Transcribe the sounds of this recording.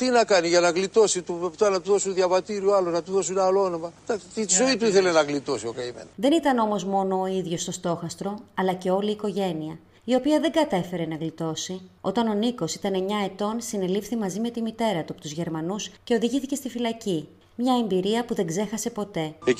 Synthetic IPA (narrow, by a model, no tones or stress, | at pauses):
t̪inɐkɐniʝɐnɐɣlit̪o̞sit̪upept̪ɐnɐt̪uðo̞sunðʝɐvɐt̪iɾioɐloznɐt̪uðosunɐloonomɐd̪ɐkst̪it̪izoit̪uiθe̞lenɐɣlit̪o̞siokɐimḛnɐðe̞nit̪ɐno̞mo̞zmo̞no̞ːiðʝo̞st̪o̞st̪o̞xɐst̪ɾo̞ɐlɐce̞o̞liːko̞ʝe̞niɐ | io̞piɐðe̞ŋɡɐt̪efe̞ɾe̞nɐɣlit̪o̞sio̞t̪ɐno̞niko̞si̥t̪ɐneɲɐe̞t̪o̞nsine̞lifθimɐzime̞t̪imit̪e̞ɾɐt̪uɐpot̪uzʝe̞ɾmɐnusce̞o̞ðiʝiθice̞st̪ifilɐci | mɲɐe̞mbiɾiɐpuðe̞ŋɡze̞xɐse̞po̞t̪e̞e